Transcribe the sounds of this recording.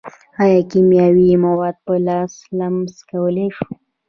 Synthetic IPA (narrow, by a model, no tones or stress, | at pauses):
ajɑkimjɑwimawɑd̪̚pəlɑslamskawəleʃu̥